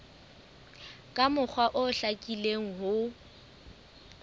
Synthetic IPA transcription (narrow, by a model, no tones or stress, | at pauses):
kʼamʊk͡xʰwaʔʊɬakʼileŋ̩ɦʊ